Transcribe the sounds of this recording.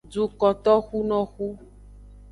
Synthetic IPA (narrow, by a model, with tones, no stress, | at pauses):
d͡ʒu˨kɔ˨t̪ɔ˦xu˦nɔ̃˦xu˦